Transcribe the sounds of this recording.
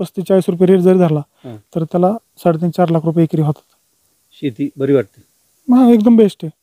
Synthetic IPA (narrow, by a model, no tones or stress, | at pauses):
əst̪it͡ɕaisɾup̬jeɾieʈd͡zəɾid̪ʱaɾlã | t̪əɾt̪jala | saɽet̪int͡ɕaɾlakʰɾup̬jeekɾiɦot̪ḁt̪ | ɕit̪ibəɾiʋaʈ̚t̪i | mãek̚d̪əmbʱeʂʈe